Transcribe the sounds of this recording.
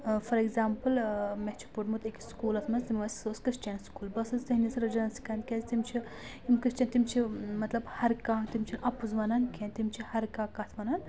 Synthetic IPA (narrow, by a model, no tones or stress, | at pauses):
fɐɾeɡzaːmpɨlmet͡ʃʰi̥puʈmut̪ekʲiskuːlɐt̪ʰmɐnst̪imʲʋɐssoskɾist͡ʃenskuːlbɐsɨzt̪ɐɦnisɾɐd͡ʒɐnɐnsi̥kɐnkʲezt̪imt͡ʃʰi | imkɾist͡ʃɐnt̪imt͡ʃʰimɐt̪lɐbhɐɾkãːt̪imʲt͡ʃʰinɐpuzʋɐnɐnkʲʰeːnt̪imt͡ʃʰihɐɾkaːkat̪ʰʋɐnɐn